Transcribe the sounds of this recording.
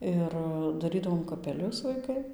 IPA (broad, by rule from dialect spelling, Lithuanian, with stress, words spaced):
ˈɪr dɐˈrʲiːdɐʋoːm kɐpʲɛˈlʲʊs ʋɐɪˈkɐɪ